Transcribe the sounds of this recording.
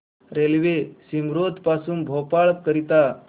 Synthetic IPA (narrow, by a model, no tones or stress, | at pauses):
ɾelʋesimɾod̪pasuːnbʱɔpaɭk̚kəɾit̪a